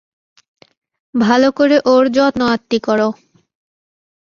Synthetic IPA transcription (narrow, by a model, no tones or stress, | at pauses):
bʱalokoɾeʔoɾd͡ʑɔt̪noat̪ːikɔɾo